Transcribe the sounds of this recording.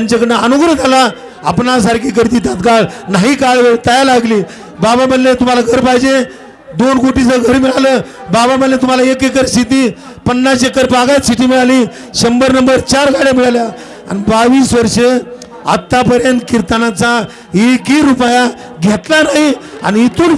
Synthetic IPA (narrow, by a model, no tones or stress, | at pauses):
t̪aɲt͡ɕakəɽeənuɡɾət̪ala | a̰pnas̬aɾkiːk̬əɾt̪it̪at̪kaɭnaɦikaɭʋeɭt̪əjalaɡliː | babamədlet̪um̤alaɡʱəɾpaɦid͡ʑẽ | d̪onkoʈit͡səɡʱəɾmiɭaləː | babamənlet̪um̤alaekekəɾsit̪̬iː | pənːasekəɾbaɡat̪siʈiːmiɭaliː | ɕəmbəɾnəmbəɾt͡ɕaɾɡaɽjamiɭalja | a̰nibaʋiːsʋəɾʂe | a̰t̪ːapəɾjənt̪kiɾt̪ənat͡sa | ɦikiːɾupja | ɡʱet̪lanaɦia̰niːt̪uːn